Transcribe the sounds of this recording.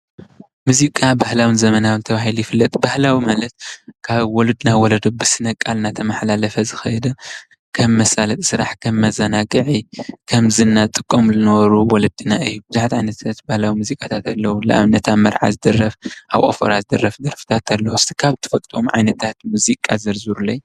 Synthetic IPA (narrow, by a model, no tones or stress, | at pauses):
muzikʼabahlawinzɐmɐnawɨnt̪ʰɐβaɦilujɪfɨlːɐt̪ʼbahlawimalɐt̪̚kʰaβwɔlɐd̪nawɔlɐd̪obɨsɨnɐkʼalnat̪ʰɐmaħlalɐfɐzɨxɐjɛd̪ɐ | kʰɐmːɐsʼalɐt̪ʼsɨɾaħkʰɐmːɐzɐnaɡɨʕikʰɐmzɨnːat̪ʼɨkʼːomzɨnɐβɐɾuwɔlɨd̪ɨnaɨjːubɨzuħat̪ʕajnɐt̪ʰat̪bahlawimuzikʼat̪ʰat̪ʰalːɐwulɨʔa̰βnɐt̪ʰamɐɾʕa̰zɨd̪ɐrːɐfʔaβʔʼo̰fo̰ɾazɨd̪ɐrːɐfd̪ɐɾfi̥t̪ʰat̪alːɐwust̪ʰʼi̥kʰaβt̪ʰɨ̥fɐt̪ʼt̪ʼomʕa̰jnɐt̪ʰat̪muzikʼazɐɾzɨɾulɐj